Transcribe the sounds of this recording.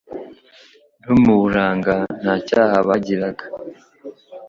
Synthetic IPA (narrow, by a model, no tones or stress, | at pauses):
n̥umuɾaːŋɡan̥hacaːhaβaɟiɾaɡḁ